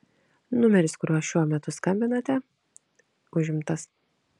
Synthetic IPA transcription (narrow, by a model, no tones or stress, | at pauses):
nʊmʲɛɾʲɪskʊɾʲuɔʃʲuɔmʲɛt̪ʊskɐmʲbʲɪnɐt̪ʲɛ | ʊʒʲɪmt̪ɐs